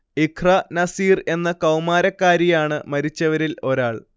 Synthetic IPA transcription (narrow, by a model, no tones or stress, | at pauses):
ikʰrɐnɐsiːre̞nːɐkɐwmaːɾɐkːaːɾijaːɳɨmɐɾit͡ɕːɐʋɐɾilo̞ɾaːɭ